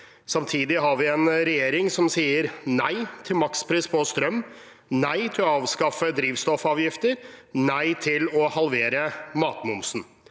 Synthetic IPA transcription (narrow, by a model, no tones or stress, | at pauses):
sɑmt̪ʰiːd̪ɪɦɑɾʋɪɛnɾɛjeːɾɪŋsɔmsiːəɾnæɪt̪ʰɪlmɑkspʰɾɪspʰɔst̪ɾœmː | næɪt̪ʰɪlɔɑːʋskɑfəd̪ɾiːʋst̪ɔfɑːʋjɪft̪əɾnæɪt̪ʰɪlɔhɑlʋeːɾəmɑːt̪mʊmsn̩